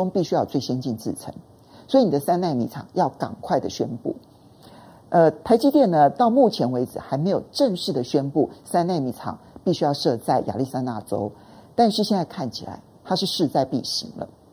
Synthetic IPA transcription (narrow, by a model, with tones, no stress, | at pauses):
ʊ˥ŋpi˥˩ɕy˥jɑ˥˧ʊt͡swe˥˩ɪɕjɛ˥nt͡ɕi˥˧nt͡sɹ̩˥˩t͡sʰə̰˧˥˦ŋ | swɔ˧˥i˨ni˨˩ə˦sa˥na˥˩ɪnḭ˧˨˥ʈ͡ʂʰɑ̰˨˩ŋjɑ˥˩ʊkɑ̰˨˩ŋkʰwa˥˩ɪd̪ə˩ɕɥɛ˥npṵ˥˩ | ʔə˧t̪ʰa˧˥ɪt͡ɕi˧˥t̪jɛ˥˩nnə˨t̪ɑ˥˧ʊmu˥˩t͡ɕʰjɛ˧˥nwe˧˥ɪd͡zɹ̩˨˩xa˧˥ɪme˧˥ɪjo˨˩ʊʈ͡ʂə˥˧ŋʂɻ̩˥˩d̪ə˩ɕɥɛ˥npu˥˩sa˥nna˥˩ɪmi˧˥˩t͡sʰɑ̰˨˩ŋpi˥˩ɕy˥jɑ˥˧ʊʂɤ˥˧t͡sa˥˩ɪja̰˨˩li˥˩sa˥˧ɪna˥˩ʈ͡ʂo̰˥ʊ | t̪a˥˧nʂɻ̩˥˧ɕjɛ˥˧nt͡sa˥˧ɪkʰa˥˩nt͡ɕʰi˨˩la̰˧˦ɪt̪ʰa˥ʂɻ̩˥˧ʂɻ̩˥˧t͡sa˥˧ɪpḭ˥˩ɕḭ˧˥˦ŋlə̰˧